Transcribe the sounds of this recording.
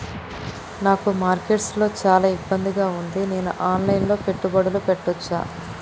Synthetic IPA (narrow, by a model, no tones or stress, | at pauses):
naːkumaːɾkeʈslo̞ːt͡ʃaːlaːibːɐnd̪iɡaːund̪ine̞ːnṵʔaːnlɐjnlo̞ːpeʈːubɐɽɐlupeʈːɔt͡ʃːa̰ː